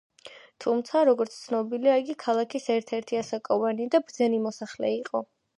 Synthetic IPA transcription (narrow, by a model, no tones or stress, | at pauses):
t̪ʰumt̪sʰaɾɔɡɔɾt̪sʰt̪sʰnɔbiliaiɡikʰalˠakʰisɛɾt̪ʰɛɾt̪ʰiasakʼɔvanid̪abɾd̪zɛnimɔsaχlɛ̰iqʼɔ